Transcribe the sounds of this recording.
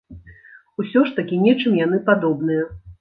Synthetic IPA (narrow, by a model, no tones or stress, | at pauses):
usʲɔʂt̪akʲinʲɛt͡ʂɨmjanɨpad̪ɔbnɨjɐ